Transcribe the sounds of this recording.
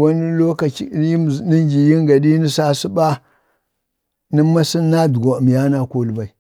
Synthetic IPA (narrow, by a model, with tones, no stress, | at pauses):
wa˦ni˦lo˦ka˨˦˨ni˦ŋɡi˨ji˦ŋɡa˨di˦ni˦sa˦si˦ba˦ | ni˦mːa˦si˦nːa˦du˨ɡa˨mi˨ja˦na˦ko˦lba˨i˨